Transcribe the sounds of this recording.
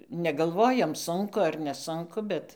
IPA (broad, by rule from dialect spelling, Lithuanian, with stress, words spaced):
nʲɛɡɐlˠˈʋoːjoːm ˈsʊŋkʊ ɐr nʲɛˈsʊŋkʊ ˈbʲɛt